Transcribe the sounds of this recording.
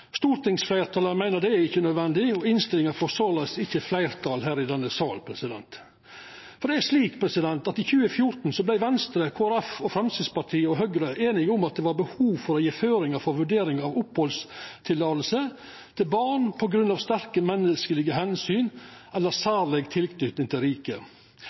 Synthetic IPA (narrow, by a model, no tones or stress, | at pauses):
st̪uːɾt̪ɪŋsflæɪɾt̪ʰɑːləmæɪnəɾd̪ɛæɪçːənœd̪ʋɛnd̪ɪɔɪnst̪ɪlɪŋəɾfɔɾsɔlɛsɪçːəflæɪɾt̪ʰɑːlɦæːɾɪd̪ɛnːəsɑːlpʰɾɛsɪd̪ɛ̰nt̪ | fɔɾɖ̪ɛæʂliːkpʰɾɛsɪd̪ɛnt̪ɑt̪ɪçʉːəfjʊɾt̪n̩sɔblæɪʋɛnst̪ɾəkʰoːæɾɛfɔfɾɛmsɪd̪spɑʈ̪ʰiːəɔɦœɡɾəʔeːnɪɡʊmɑt̪̚d̪ɛːʋɑɾbəhuːʋfɔɾɔjeːføːɾɪŋəfɔɾʋʉɖeːɾɪŋɑʋʊphɔlst̪ʰɪlːɑːt̪l̩sə | t̪ʰɪlbɑːɳpʰɔɡɾʉnːɑːʋst̪æɾkəmɛnːəskəlɪɡəhɛnsyːnɛlːəɾsæːɾlɛɡt̪ʰɪlkʰnyt̪nɪŋt̪ʰɪlɾiːkə